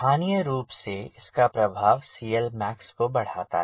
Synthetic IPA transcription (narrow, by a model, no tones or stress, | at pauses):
aːnijəɾuːpseɪskapɾɐbʱaːʋsiːjəlmɛːkskobɐɽ̤aːt̪a̰ɦ